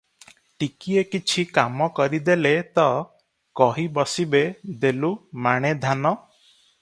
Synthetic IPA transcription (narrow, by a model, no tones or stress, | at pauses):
ʈikiekit͡ʃʰikamɔkɔɾid̪elet̪ɔ | kɔɦibɔsibed̪elumaɽ̃ed̪ʱanɔ